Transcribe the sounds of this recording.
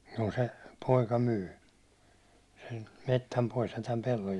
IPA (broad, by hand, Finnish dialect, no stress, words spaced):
juː se poikɑ myː sem metːæm pois jɑ tæm pelːoj